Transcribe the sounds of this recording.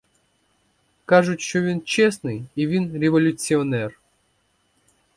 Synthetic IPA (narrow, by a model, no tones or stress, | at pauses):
kaʐɨt̪ɕovʲint͡ɕesnɨjivʲinɾʲɪvɐlʲʊt̪sɨonɛr